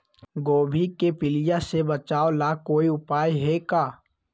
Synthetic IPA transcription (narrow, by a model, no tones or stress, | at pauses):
ɡoːbʱikepɪlɪjasebɐt͡ʃaːolakoːiʊpaːjɦekaː